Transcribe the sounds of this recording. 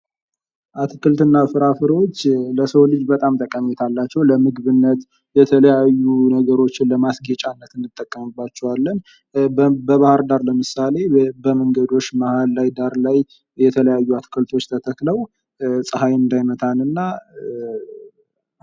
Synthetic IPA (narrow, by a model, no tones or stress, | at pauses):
ʔat̪ʰɨkɨlt̪ɨnːafɨɾafɨɾo̞t͡ʃːləsəwlɨd͡ʒbət̪ʼamt̪ʰʼəkʼːəmet̪ʰalːat͡ʃːɛwləmɨɡβɨnːət̪ | jɛt̪ʰələjajːunəɡəɾo̞t͡ʃːɪnləmasɡet͡ʃʼanːət̪ɨnːɨt̪ʼːəkʼːəmɨbːat͡ʃːɛwalːən | bəβahəɾd̪aɾləmɨsale̞bəməŋɡəd̪o̞t͡ʃːmahallajd̪aɾlaj | jɛt̪ʰələjajːuat̪ʰɨ̥kʰɨlt̪ʰo̞t͡ʃːt̪ʰət̪ʰəkləw | sʼɨhajɨnd̪ajmət̪ʰalɨnːa